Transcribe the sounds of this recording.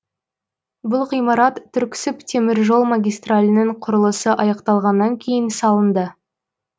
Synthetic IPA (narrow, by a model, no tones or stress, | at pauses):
bʊlˠqijmɑɾɑt̪ʰːʏɾkʲɪ̥sɪpt̪ʰe̞mɪɾʒo̞lˠmaɡʲijst̪ralʲɪnəɴqʰʊɾəlˠəsəʔɑjɑqt̪ɑlˠʁɑnːɑŋkʲʰe̞jɪnsɑlˠənd̪ə